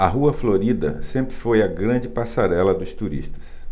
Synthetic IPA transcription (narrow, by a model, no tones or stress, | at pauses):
ɐɦuɐfloɾid̪ɐ̰sẽmpɾɪfojɐɡɾɐ̃d͡ʒɪpasaɾɛlɐd̪ʊst̪uɾḭst̪ɐ̥s